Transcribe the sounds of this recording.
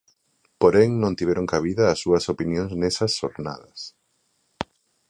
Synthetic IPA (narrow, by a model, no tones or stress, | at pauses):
poɾɛŋnõnt̪iβɛɾoŋkaβ̞iðɐːsːuɐsopinjõŋznesɐsoɾna̰ðɐs